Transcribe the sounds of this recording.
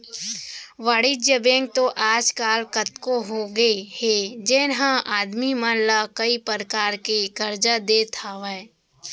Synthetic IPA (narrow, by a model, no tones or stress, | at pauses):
ʋaːɽɪd͡ʒjəbẽːŋɡ̚t̪oʔaːd͡ʒkaːlkɐt̪koɦoɡəehed͡ʒeːnɦãʔaːd̪mimaːnlakɐipəɾəkaːɾkekɐɾd͡ʒad̪eːt̪ʰaːʋa